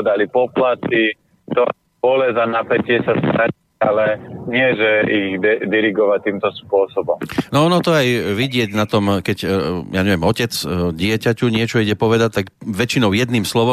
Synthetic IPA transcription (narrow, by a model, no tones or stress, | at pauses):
d̪alipɔplat̪i | t̪ɔ | bɔlɛzanapɛcɪɛsast̪ɾɛ | alɛɲɪɛʒɛiɣɛd̪iɾiɡɔʋat̪iːmt̪ɔspʊɔsɔbɔmnɔɔnɔt̪ɔajʋiɟɪɛɟnat̪ɔmkɛɟjaɲɛʋɛmɔcɛt͡sɟɪɛcacuɲɪɛt͡ʃɔiɟɛpɔʋɛd̪ac̚t̪aɡʋɛt͡ʃinɔʊjɛd̪niːmslɔʋɔ